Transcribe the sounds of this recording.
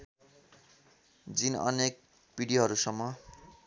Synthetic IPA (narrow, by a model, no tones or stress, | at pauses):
d͡zinʌ̰nek̚ | b̥iɽijoɦʌɾusʌmːʌ